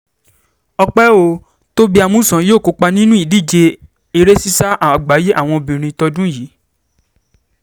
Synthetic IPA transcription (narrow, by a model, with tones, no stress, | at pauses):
ɔ˧k͡pɛ˦o˦˨ | to˦bi˦a˧mũ˦˨sã˨˦joː˦˨ko˧˦k͡pa˧nĩ˦nũ˦i˦˨di˦˨d͡ʒe˧ | e˧ɾe˦si˦sa˦ʔa˨a˨ɡ͡ba˨˦je˦ʔa˦˨w̃ɔ̃˧o˧bĩ˨ɾ̃ĩ˧tɔ˧dũ˦jiː˨˦